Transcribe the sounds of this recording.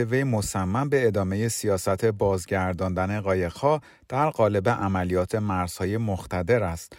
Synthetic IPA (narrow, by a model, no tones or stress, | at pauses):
eve̞jmo̞sæmːæmbe̞ːd̪ɒːme̞je̞sijɒːsæt̪ʰe̞bɒːzɟæɾd̪ɒːnd̪æne̞ɣɒːjeɣhɒː | d̪̥æɾɢɒːle̞be̞ʔæmælijɒːt̪ʰe̞mæɾz̥hɒːje̞mo̞xt̪ʰæd̪e̞ɾæst̪